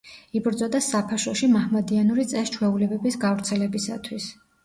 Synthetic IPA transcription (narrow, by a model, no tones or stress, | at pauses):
ibɾd̪zɔd̪asapʰaʃɔʃimahmad̪ianuɾit̪sʼɛst͡ʃʰwɛulɛbɛbisɡavɾt̪sʰɛlɛbisa̰t̪ʰwis